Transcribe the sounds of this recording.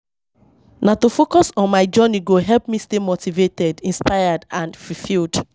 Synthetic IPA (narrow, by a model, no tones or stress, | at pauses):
natofokɔsɔ̃nmaɪd͡ʒɔniɡoɦɛlpmistemotivetɛdĩnspaɪadãnfɹifild